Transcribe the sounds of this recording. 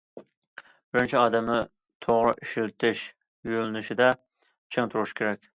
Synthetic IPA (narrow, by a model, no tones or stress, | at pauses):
b̥ɪɾɪnt͡ʃʰiɑːd̪ɛmnɪ | t̪ʰoʁɾɨʔiʃilt̪ʰɪʃ | jylɪnɪʃɪd̪ɛ | t͡ʃʰɪŋt̪ʰuɾuʃkʲʰeɾɛkʲ